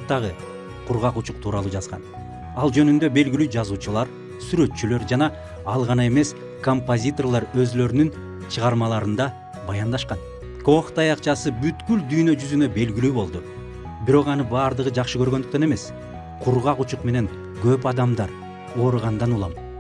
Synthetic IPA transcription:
t̪ːɑʁɯ | qʰuɾʁɑqut͡ʃuqt̪ʰuːɾɑlˠuːd͡ʒɑzʁɑ̰n | ɑlˠd͡ʒø̞nynd̪ø̞be̞lɡilyːd͡ʒɑzuːt͡ʃulˠɑɾ | syɾø̞t̪t͡ʃylø̞ɾd͡ʒɑnɑ | ɑlˠʁɑnɑe̞me̞s | ko̞mpozʲit̪o̞rlˠɑɾø̞zlø̞ɾynyn | t͡ʃʰɯʁɑɾmɑlˠɑɾɯnd̪ɑ | bɑjɑnd̪ɑʃqɑn | ko̞χt̪ɑjɑqt͡ʃɑsɯbyt̪kyld̪yjnø̞d͡ʒyzynø̞be̞lɡilyːbo̞lˠd̪u | biɾo̞qɑnɯbɑːɾd̪ɯʁɯd͡ʒɑqʃɯkø̞ɾɡønd̪yk̚t̪øne̞me̞s | qʰuɾʁɑqut͡ʃuqme̞ne̞ŋ | ɡø̞p̬ɑd̪ɑmd̪ɑɾ | o̞ːɾuʁɑnd̪ɑnulˠɑm

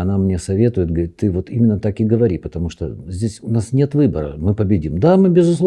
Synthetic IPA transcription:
ɐnamnʲesɐvʲe̞t̪ʊjɪt̪̚ɡəɾʲit̪ːɨvo̞t̪imʲɪnːət̪akɨɡəvɐɾʲipət̪ɐmuʂt̪o̰zʲdʲesʲʊnasnʲe̞t̪vɨbəɾə̰mɨpəbʲɪdʲimd̪amɨbʲɪzʊslˠ

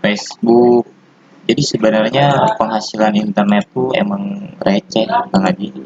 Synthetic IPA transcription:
fesbuk̚ | d͡ʒadisəbənərɲapəŋɦasilanint̪ərnɛt̪ːuḛmaŋrʔet͡ʃɛht̪aŋaɡi

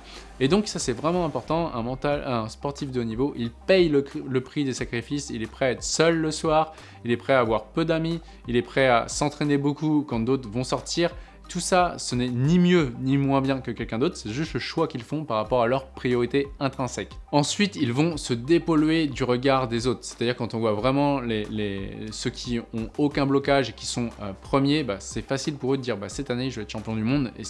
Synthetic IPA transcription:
ed̪ɔ̃ksasɛvʁɛmɑ̃ɛ̃pɔʁt̪ɑ̃ɛ̰̃mɑ̃t̪alɛ̃spɔʁt̪ifd̪əonivoʔilpɛjlələpχid̪esakχifisḭlɛpχɛaɛt̪χəsœlːəswaːʁ | ilɛpχɛavwaʁpød̪ami | ilɛpχɛa̰sɑ̃t̪χenebokukɑ̃d̪ot̪χvɔ̃sɔʁt̪iʁ | t̪usasənɛnimjønimwɛ̃bjɛ̃kəkʲɛlkʲɛ̃d̪ot̪χsɛʒyst̪ləʃwakʲilfɔ̃paʁːapɔʁalœʁpχijɔʁit̪eɛ̃t̪χɛ̃sɛkɑ̃sɥit̪ilvɔ̃səd̪epɔlɥed̪yʁəɡaʁd̪ezot̪χsɛ̥t̪ad̪iʁkɑ̃t̪ɔ̃vwavʁɛmɑ̃lelesøkʲʰiɔ̃okʲɛ̃blɔkaʒekʲi̥sɔ̃øpχəmjebasɛfasilpuʁød̪əd̪iʁbasɛt̪aneiʒvaɛt̪ʃɑ̃pjɔ̃d̪ymɔ̃d̪ḛ

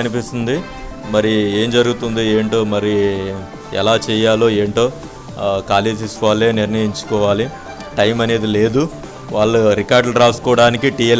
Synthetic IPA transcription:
ɐnipist̪ind̪i | mɐɾie̞ːmd͡ʒɐɾuɡut̪und̪ieːɳʈo̞ːmɐɾi | ɛ̰laːt͡ʃɛːjaːloːeːɳʈo̞ː | kaːle̞ːd͡ʒisaːleːniɾnɐjiɲt͡ʃu̥kɔːʋaːli | ʈɐjmɐne̞ːd̪ileːd̪u | ʋaːɭːuɾikaːɾɖlɐɾaːsu̥kɔːɐɽaːnikiʈie

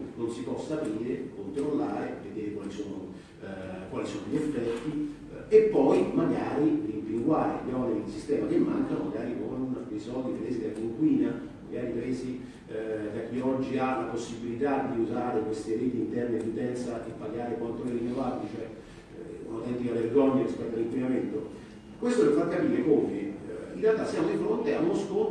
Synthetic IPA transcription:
nonsipɔsːapiːɾekont̪ɾolːaːɾḛved̪eːɾekwaːlisoːno | kwaːlisoːnoʎiefːɛt̪ːi | epːɔjmaɡa̰ːɾirimpiŋɡwaːɾḛleɔneɾid̪isist̪ɛːmakemːa̰ŋkama̰ɡaːɾiko̰unapisɔd̪iɾeːsid̪akːiŋkwiːna | ma̰ɡaːɾipɾeːzi | k̪akːiɔd͡ʒːialaposːibilit̪ad̪iuzaːɾekwest̪ieɾeːt̪iːnt̪ɛrned̪ut̪ɛnt̪saʔepːaɡaːɾekwant̪olirinːovabilit͡ʃoɛ | ṵnawt̪ɛnt̪ikaverɡɔɲːarispɛt̪ːalːimpinament̪o | kwest̪olefarkːapiːɾekɔveḭnrealt̪ːasːjaːmod̪ifɾont̪eamosko

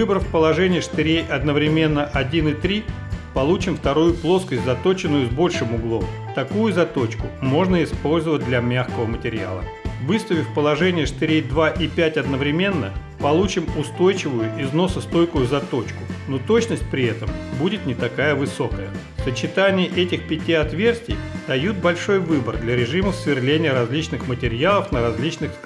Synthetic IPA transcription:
vɨbəɾfʲpəlˠɐʐɛnʲɪjəʂt̪ɪɾʲejʔɐd̪nəvɾʲɪmʲe̞nːəʔɐdʲinɨt̪ɾʲi | pɐlˠut͡ɕɪmft̪ɐɾujʊplˠo̞skəsʲtʲzɐt̪o̞t͡ɕɪnːʊjʊzbo̞lʲʂɨmʊɡlˠo̞m | t̪ɐkujʊzɐt̪o̞t͡ɕkʊmo̞ʐnəɪspo̞lʲzəvət̚ʲd̪lʲɐmʲaxkəvəmətʲɪɾʲɪa̰lˠə̰ | vɨst̪ʊvʲɪfpəlˠɐʐɛnʲɪjəʂt̪ɪɾʲejd̪vaʔɪpʲætʲɐd̪nəvɾʲɪmʲe̞nːə̰ | pɐlˠut͡ɕɪmʊst̪o̞jt͡ɕɪvʊjʊʔɪzno̞sʊst̪o̞jkʊjʊzɐt̪o̞t͡ɕkʊnot̪o̞t͡ɕnəsʲt̚ʲpɾʲɪɛt̪əmbudʲɪt̪nʲɪt̪ɐkajəvɨso̞kəjə | sət͡ɕɪt̪anʲɪjəʔɛtʲɪxpʲɪtʲiɐt̪vʲe̞rsʲtʲɪ̰jd̪̥ɐjut̪̚bɐlʲʂo̞jvɨbərd̪lʲɐɾʲɪʐɨməfsvʲɪrlʲenʲɪjəɾɐzʲlʲit͡ɕnɨxmətʲɪɾʲjalˠəfnəɾɐzʲlʲit͡ɕnɨx

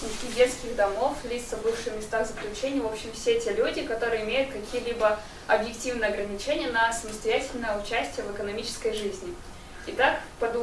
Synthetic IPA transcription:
nʲɪkʲidʲet̪skʲɪɣd̪ɐmo̞flʲit̪səvbɨfʂɨjmʲɪst̪aɣzəklʲʉt͡ɕenʲɪjvo̞pɕːɪmfsʲetʲelʲudʲɪkɐt̪o̞ɾɨjəɪmʲejʊt̪̚kɐkʲijəlʲibə | ɐbjɪktʲivnəjəɐɡɾənʲɪt͡ɕenʲɪjənəsəməst̪ɐjætʲɪlʲnəjəʊt͡ɕæsʲtʲɪjəvɨkənɐmʲit͡ɕɪ̥skəjʐɨzʲnʲɪ | ɪt̪akpɐd̪

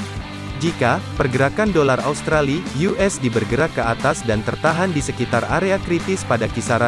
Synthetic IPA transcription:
d͡ʒikapərɡəɾakandolaraust̪ɾalijuʔɛsdibərɡəɾakːəat̪asdant̪ərt̪aɦandisəkit̪araɾeakɾit̪ɪspadakisaɾa

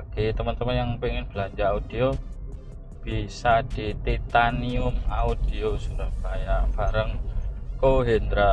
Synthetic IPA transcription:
ɡ̥et̪əmənt̪əmənjaŋpeŋɪnb̥əlaɲd͡ʒaaud̪̥io | b̥isad̪̥it̪it̪aniʊmaud̪̥iosuɾahbajaʔb̥aɾəŋkoɦend̪ɾa

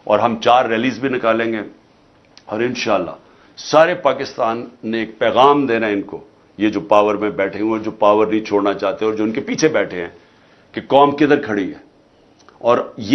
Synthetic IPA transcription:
ɔ̰ːɾɦɐmt͡ʃaːɾːɛːliːzbʱinɪkaːlẽːŋɡeː | ɔːɾɪnʃaːlːa̰ | saːɾepaːkɪst̪aːnːeːk̚pɛːɣaːmd̪eːnaɛɪnko | jed͡ʒoːpaːʋəɾmẽbɛːʈʰẽɦũɛd͡ʒoːpaːʋəɾnɐɦĩt͡ʃʰoːɽnat͡ʃaːɦt̪eɛ̃ɔːɾd͡ʒoːʊnkepiːt͡ʃʰebɛːʈʰeɦɛ̃ | kekɔːmkid̪əɾkʰɐɽiɦɛ̰ː | ɔːɾje

